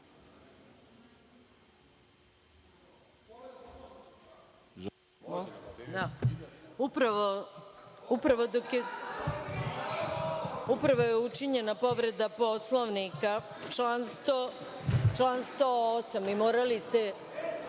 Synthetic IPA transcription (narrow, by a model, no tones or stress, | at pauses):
d̪a | upɾaʋo | upɾaʋo̞d̪okje | upɾaʋo̞jeut͡ʂiɲe̞napo̞ʋɾe̞d̪apo̞sloʋnika | t͡ʃanst̪o | t͡ʃlanst̪oosamimoːɾalist̪e